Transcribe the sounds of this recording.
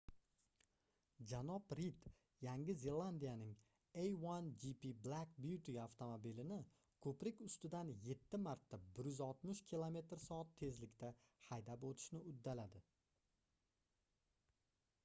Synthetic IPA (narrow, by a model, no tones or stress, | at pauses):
d͡ʒanɒpɾit̪ | jaŋɪze̞lˠand̪ijanɪŋ | ejwand͡ʒipiblˠakbjut̪iaft̪ʰomobilɪnɪ | kʰɵpɾɪkʲʊst̪ɪd̪anje̞t̪ʰːɪmaɾt̪ːabɪɾjʏzɒlˠt̪mʊʃkʲʰilˠome̞t̪ɾsɒːat̪ʰːe̞zlɪkʲt̪ʰa | hajd̪apot̪ʰɪ̥ʃnɪʊd̪ːalad̪ɪ